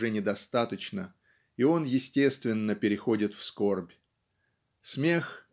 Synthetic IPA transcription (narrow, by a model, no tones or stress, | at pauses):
ɛnʲɪd̪ɐst̪at̪ət͡ɕnə | io̞njɪsʲtʲe̞st̪vʲɪnːəpʲɪɾʲɪxo̞dʲɪt̪fsko̞rbʲ | smʲe̞x